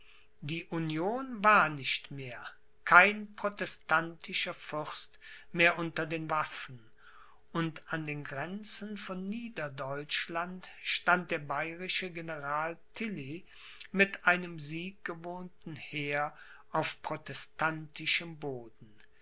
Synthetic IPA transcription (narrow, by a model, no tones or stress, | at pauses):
diːʔunjoːnvaːɐnɪʃtmeːɐ | kʰaɪnpʁ̥otɛstʰantʰɪʃɐfʏʁstmeːɐʔʊntɐdeːnvafn̩ | ʔʊntandeːnɡʁɛnt͡sənfɔnːiːdɐdɔʏt͡ʃlantʃtant̚d̥eːɐbaɪʁɪʃəɡenəʁaːltʰɪli | mɪtʔaɪnəmziːk̚ɡ̥əvoːntn̩heːɐ | ʔaʊfpʁ̥otɛstantɪʃəmboːdn̩